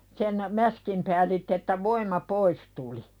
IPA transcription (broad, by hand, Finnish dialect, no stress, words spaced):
sen mæskim pæːlitː etːæ ʋoimˑɑ pois tuli